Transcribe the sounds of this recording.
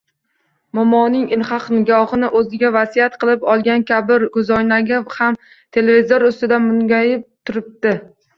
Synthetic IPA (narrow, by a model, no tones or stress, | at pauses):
mɒmɒnɪŋɪlhɑqnɪɡʲɒχɨnɪʔɵzɪɡʲavasijat̪qʰɨlˠɪpɒlˠɡʲankʲʰabɪɾɡʊzɒjnaɡʲɪham | t̪ʰe̞levizoɾʊst̪ɪd̪amʊŋɡʲajɪp̚t̪ʰʊɾɪp̚d̪ɪ